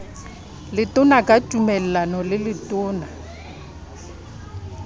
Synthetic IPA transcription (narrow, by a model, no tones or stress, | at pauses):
lɪtʼʊnakʼatʼumɛlɛlanɔlɪlɪtʼʊːna